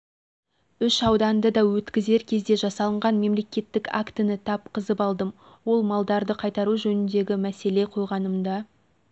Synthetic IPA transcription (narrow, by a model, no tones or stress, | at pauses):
ʏʃɑwd̪ɑnd̪əd̪ɑwɵt̪kʲɪze̞ɾkʲʰe̞zd̪e̞ʒɑsɑlˠəɴʁɑnme̞mle̞kʲe̞t̪ːɪka̰kt̪ənɪt̪ʰɑp̚qʰəzəpɑlˠd̪əm | wo̞lˠmɑlˠd̪ɑɾd̪əqʰɑjt̪ɑɾuʒɵnʏnd̪e̞ɡʲɪmæse̞le̞qʰo̞jʁɑnəmd̪ɑ